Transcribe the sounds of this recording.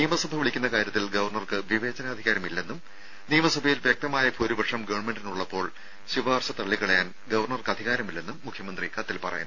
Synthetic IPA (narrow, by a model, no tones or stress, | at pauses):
nijɐmɐsɐbʱɐʋiɭikʲːunːɐkaːɾjɐt̪ːilɡɐʋɐrɳɐrkɨʋiʋe̞ːd͡ʑɐnɐɐd̪ʱiɣaːɾɐmilːe̞nːum | nijɐmɐsɐbʱɐjilʋjɐk̚t̪ɐmaːjɐpʰuːɾubɐʂɐmɡɐʋɐɳme̞ɳɖinuɭːɐpːo̞ːɭ | ɕiʋaːrɕɐt̪ɐɭːikːɐɭejaːn | ɡɐʋɐrɳɐrkɨɐd̪ʱiɣaːɾɐmilːe̞nːumːukʰjɐmɐnd̪rikɐt̪ːilpɐrɐ̰junː